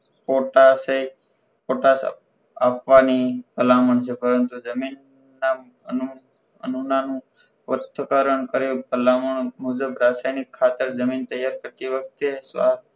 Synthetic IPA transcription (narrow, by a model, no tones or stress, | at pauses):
poʈasei | poʈas | apʋanipəlaməɳt͡ʃʰepəɾənt̪ud͡ʒəminː | a | ənu | ənunanũ | ʋət̪ʰːəkəɾəɳkəɾopəlaməɳmud͡ʒəbɾasajnikʰːat̪əɾd͡ʒəmint̪əjaɾkəɾt̪iʋək̚t̪esa